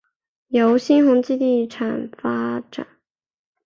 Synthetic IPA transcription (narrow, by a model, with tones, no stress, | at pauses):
jo˧˥ʊɕi˥nxʊ˧˥ŋt͡ɕi˥˧t̪i˥˩ʈ͡ʂʰa˨˩nfa˥ʈ͡ʂa̰˨˩˦n